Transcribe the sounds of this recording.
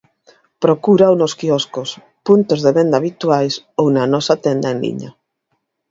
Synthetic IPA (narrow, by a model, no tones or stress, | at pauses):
pɾokuɾawnoskiɔskos | punt̪ozðeβend̪aβit̪wajs | ownanɔsat̪ɛnd̪aenlḭɲa̰